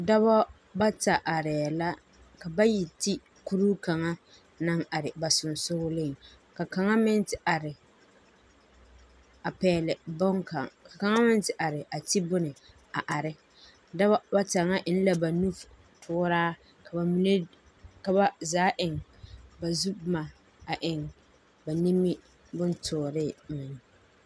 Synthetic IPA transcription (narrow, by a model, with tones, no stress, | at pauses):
da˦ba˦ | ba˦ta˨ʔa˨ɾɛː˨la˦ | ka˨ba˦ji˨ti˦ | ku˦ɾu˦ka˨ŋa˦ | na˦ŋa˨ɾɪ˨ba˨sʊ˨n˨sʊ˦ɣʊ˦lɪ˦˨ŋ | ka˨ka˨ŋa˦mɪ˦n˦tɪ˨ʔa˨ɾɪ˨ | a˨pɛː˨lɪ˨bʊ˦ŋka̰˨ka˨ka˨ŋa˦mɪ˦n˦tɪ˦ʔa˨ɾɪ˨ʔa˨ti˦bʊ˦nɪ˨ | a˨ʔa˨ɾɪ˦ | da˦ba˦ba˦ta˨ŋa˦ʔɪ˨n˦la˨ba˨nu˦f | tʰʊː˦ɾaː˦ | kʰa˨ba˨mi˨ne˦ | ka˨ba˦zaː˨˦ʔɪ˨ŋba˨zu˦bma˨ | a˨ʔɪ˨ŋ | ba˨ni˦mi˦ | bʊ˦n˦tʰʊː˨ɾɪ˦˨mɪ˨n˨˦